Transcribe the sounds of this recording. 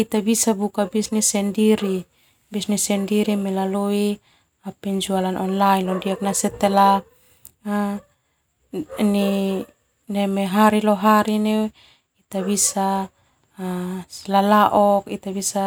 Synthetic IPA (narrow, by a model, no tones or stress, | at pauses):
it̪abisabukabisnisɛndiɾi | bisnisɛndiɾimelaloi | apɛɲd͡ʒualanʔɔnlainlɔndiak̚nasɛt̪ela | a | ni | nemeɦaɾiloɦaɾinew | it̪abisa | slalaʔɔkit̪abisa